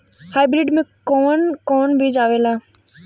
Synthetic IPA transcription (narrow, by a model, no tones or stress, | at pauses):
haːbɾɪɖmẽkɔːnkɔːnbʱid͡ʒaːʋeːlaː